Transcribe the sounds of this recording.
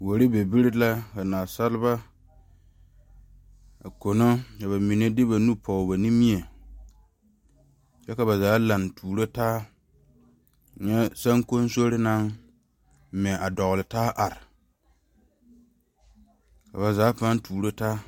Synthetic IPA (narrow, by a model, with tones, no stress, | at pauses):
wo˨ɾɪ˦be˨bi˦ɾɪ˦la˦ka˨naː˨sa˦lɪ˦ba˦ | a˨ko˨no˦ka˨βa˨mi˨ne˦dɪ˦ba˨nu˦pʰɔ˨ba˨ni˦mi˦e˨ | t͡ʃɛ˦ka˨ba˨zaː˨˦la˨ntʰuː˨ɾo˦taː˦˨ | ɲɛ˦sa˦ŋko˦n˦so˦ɾɪ˦na˦ŋ˦ | mɛ˨a˨dɔ˨ɣlɪ˨taː˦ʔa˨ɾɪ˨ | ka˨βa˨zaː˦pa˦n˦tuː˨ɾo˦taː˦